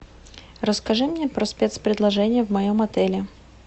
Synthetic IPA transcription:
rəskɐʐɨmnʲepɾəspʲet̪spɾʲɪd̪lˠɐʐɛnʲɪjəvmɐjomɐt̪ɛlʲɪ

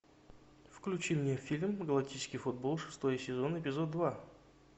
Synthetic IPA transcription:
fklʲʉt͡ɕimnʲefʲilʲmɡəlˠɐktʲit͡ɕɪ̥skʲɪjfʊd̪̚bo̞lˠʂɨ̥st̪o̞jəsʲɪzo̞nəɪpʲɪzod̪d̪va

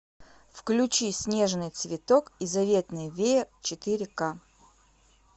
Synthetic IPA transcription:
fklʲʊt͡ɕisʲnʲe̞ʐnɨjt̪svʲɪt̪okizɐvʲet̪nɨjvʲejɪt͡ɕɪt̪ɨɾʲɪka

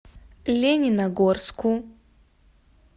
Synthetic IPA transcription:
lʲenʲinɐɡorsku

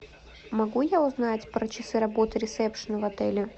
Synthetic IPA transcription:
mɐɡujaʊznatʲpɾət͡ɕɪsɨɾɐbo̞t̪ɨɾʲɪt̪sɛpʂənəvɐt̪ɛlʲɪ

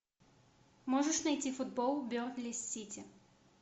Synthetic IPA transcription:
mɔʐɨʂnɐjtʲifʊd̪̚bɔlˠbʲortʲlʲɪsʲːitʲɪ

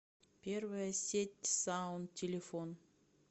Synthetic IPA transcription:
pʲervəjəsʲetʲsaʊnt̪tʲːelʲefon

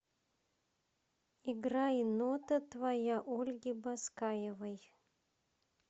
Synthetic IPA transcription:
iɡɾainot̪ɐt̪vajaʔolʲɡʲibaskajɛvɐj

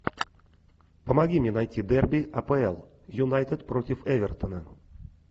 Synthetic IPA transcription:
pəmɐɡʲimʲenajtʲːid̪ɛrbʲiʔɐpəɛlˠ | junajt̪ʲət̪protʲɪfɛvʲɛrt̪ənə

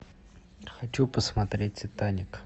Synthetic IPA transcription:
χat͡ɕupəsmat̪rʲet͡ɕʲt̪aɲək

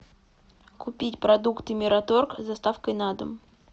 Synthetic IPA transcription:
kʊpʲitʲpɾɐd̪ukt̪ɨmʲɪɾɐt̪orkzɐst̪afkəjnad̪ə̰m

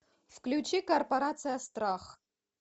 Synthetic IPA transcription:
fklʲut͡ʃikorpɐɾat̪sɨjɐst̪raχ

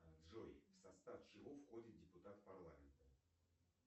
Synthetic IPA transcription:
ɐnd̪ʐoɪfsɐst̪afʂɨvofxo̞dʲɪt̪̚dʲɪpʊt̪at̪pɐrlˠamʲɪnt̪ə

